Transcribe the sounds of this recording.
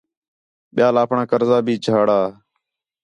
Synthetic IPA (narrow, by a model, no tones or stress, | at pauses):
ɓɪjaːlaːpʰɳaːkəɾzaːbʱiːt͡ʃʰaːɽaː